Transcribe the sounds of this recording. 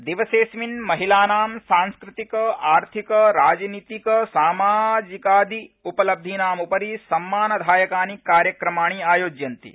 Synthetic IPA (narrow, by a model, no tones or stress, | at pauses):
d̪iʋɐseːsminmɐɦilaːnaːmsãːnskɾɪt̪ikɐaːɾt̪ʰikɐɾaːd͡ʒniːt̪ikɐsaːmaːd͡ʒikaːd̪ʱiupɐlɐb̚d̪ʱinaːmupɐɾisɐmːaːnɐd̪ʱaːjɐkaːnikːaːɾjɐkɾɐmaːɳ̃iaːjoːd͡ʒjɐnt̪ḭ